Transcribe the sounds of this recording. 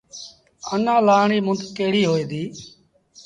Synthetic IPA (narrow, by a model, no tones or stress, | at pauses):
ənãːlaːɳiːmʊnd̪keːɽiːɦoːeːd̪iː